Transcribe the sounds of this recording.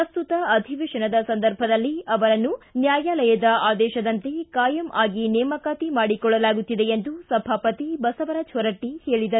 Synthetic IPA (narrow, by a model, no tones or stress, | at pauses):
ɐst̪ut̪ɐɐd̪ʱiʋiʂɐɳɐd̪ɐsɐnd̪ɐɾbʱɐd̪ɐlːiɐʋɐɾɐnːunjaːjaːlɐjɐd̪ɐaːd̪ɛːʃɐd̪ɐnt̪e̞kaːjɐmʔaːɡinɛːmɐkaːt̪imaːɽikɔɭːɐlaːɡut̪ːid̪eend̪usɐbʱaːpɐt̪ibɐsɐʋɐɾɐd͡ʒʰʱɔɾɐʈːiheːɭid̪ɐ